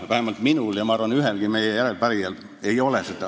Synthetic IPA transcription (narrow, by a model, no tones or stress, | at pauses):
ʋæhemːɑlt̪minuljɑmɑɑrʋɑnyɦelɡ̥imejejæɾelpæɾiæl | eio̞leset̪ːɑ